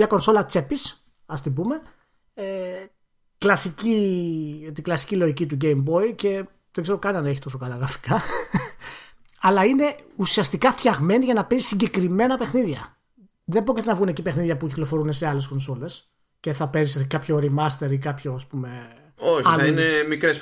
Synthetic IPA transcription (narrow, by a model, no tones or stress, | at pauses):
mɲɐko̞nso̞lɐt͡se̞pis | ɐst̪ibume̞ | e | klɐsici | t̪iɡlɐsi̥cilo̞ʝicit̪̬uɟejmbo̞ice̞ | ðeɡze̞ɾo̞kɐnɐneçit̪o̞so̞kɐlɐɣɾɐfi̥kɐ | ɐlɐine̞usiɐst̪ikɐft̪çɐɣme̞niʝɐnɐpezisiɲɟe̞kɾime̞nɐpe̞xniðʝɐ | ðembɾo̞cʲit̪enɐvɣune̞cipe̞xniðʝɐpuciklo̞fo̞ɾune̞se̞ɐle̞sko̞nso̞le̞s | ce̞θɐpe̞ziskɐpço̞ɾimɐst̪eɾikɐpço̞ɐspume̞ | oçɐθɐinemikɾes